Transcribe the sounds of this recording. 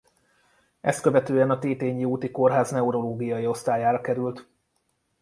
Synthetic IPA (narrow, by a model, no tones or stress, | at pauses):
ʔɛ̰st̪køvɛt̪øːɛnɒt̪eːt̪eːɲːiuːt̪iko̞rɦaːznɛuɾo̞loːɡijɒjio̞st̪aːjaːɾɒkɛɾylt̪